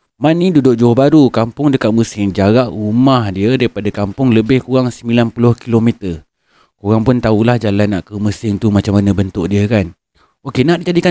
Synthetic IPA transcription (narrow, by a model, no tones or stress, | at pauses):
manːidudʊk̚d͡ʒobaɾukampʊŋdəkat̪̚məsɪŋd͡ʒaɾaʔumahdiədaɾipadakampʊŋləbɪhkuɾaŋsəmilanpulʊhkilomet̪ər | kuɾaŋpʊnt̪aulahd͡ʒalanːaʔkəməsɪŋt̪umat͡ʃamːanə̃bənt̪ʊʔ̚diəkan | okenaʔdid͡ʒadika